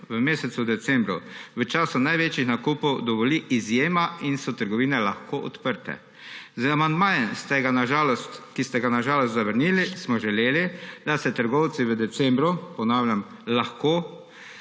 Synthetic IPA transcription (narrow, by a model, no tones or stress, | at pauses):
ʋəmeːsɛt̪sud̪ɛt̪sɛmbɾuʋət͡ʃaːsʊnajʋeːt͡ʃjixnakuːpɔwd̪ɔʋɔliʔizjeːmainsɔt̪əɾɡɔʋiːnɛlaxkoːʔɔ̰t̪pəɾt̪ɛ̰ | zamand̪maːjɛnst̪ɛɡanaʒaːlɔst̪kist̪ɛɡanaʒaːlɔst̪zaʋəɾnilismɔʒɛleːlid̪asɛt̪əɾɡɔwt̪siʋəd̪ɛt̪sɛmbɾupɔnawljam | laxkoː